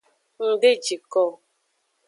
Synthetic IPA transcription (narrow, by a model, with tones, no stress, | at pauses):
n̩˨de˦t͡ʃi˨kɔ˦˨